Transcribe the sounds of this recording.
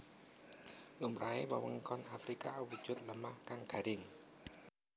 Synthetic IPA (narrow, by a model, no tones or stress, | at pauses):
lumraewə̰wəŋkɔnafrikawu̥t͡ʃʊt̪̚ləmahkaŋkaɾiŋ